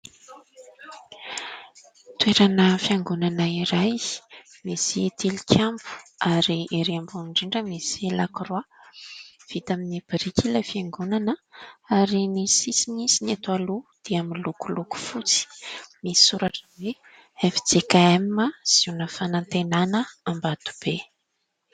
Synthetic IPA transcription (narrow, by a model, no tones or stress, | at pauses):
t̪weɾanəfiaŋɡunanəiɾajmeset̪ʰilikʲʰambu̥aɾieɾiambunɳɖ͡ʐiɳɖ͡ʐəmeselakrwa | v̥it̪aminib̥iɾikʲilafiaŋɡunanəaɾinisisinisinat̪ualud̪̥eaminlukuluku̥fut͡si̥misi̥suɾaʈ͡ʂəwe | efi̥t͡sekaemːaz̥iunəfanant̪enanəambad̪̥u̥b̥e